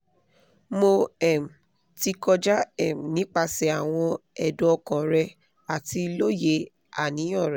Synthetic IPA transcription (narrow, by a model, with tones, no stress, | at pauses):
mo˧ɛ˦˨m̩˨ | ti˧kɔ˧d͡ʒa˦ɛ˦˨m̩˨nĩ˨˦k͡pa˧sɛ˧a˨w̃ɔ̃˧ɛ˨do˧˦ɔ˧kɔ̃˨ɾɛ˧ | a˨ti˧lo˦je˧ | a̰˨nĩ˨˦ɔ̃˦˨ɾɛ˨